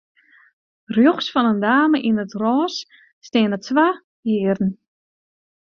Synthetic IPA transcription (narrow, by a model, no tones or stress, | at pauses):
rjoxsfɔnəndaːməʔinətrɔːsː | teːənətʋa | jiːərn̩